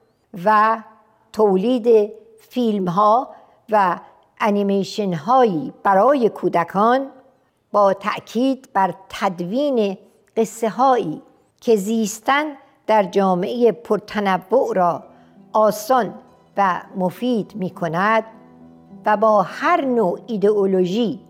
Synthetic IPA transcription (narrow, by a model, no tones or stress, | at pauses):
væ | t̪ʰoːliːd̪e | fiːlmɦɒː | væ | ʔːnimeʃenɦɒːjiːb̥æɾɒːje̞kʰuːd̪ækʰɒːn | bɒːt̪ʰæʔkʰiːd̪bæɾt̪ʰæd̪viːne | ɢ̥e̞sːe̞ɦɒːiː | cʰe̞ziːst̪æn | d̪̥æɾd͡ʒɒːmeejepʰoɾt̪ʰænævːoʔɾɒː | ʔɒːsɒn | væmofiːd̪miːkʰo̞næd̪̥ | væbɒːhæɾnoːid̪eoloʒiː